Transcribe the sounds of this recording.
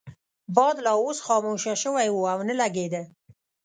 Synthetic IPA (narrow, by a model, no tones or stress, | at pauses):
bɑd̪lɑosxɑmoʃaʃəwajwuawnəlaɡed̪ə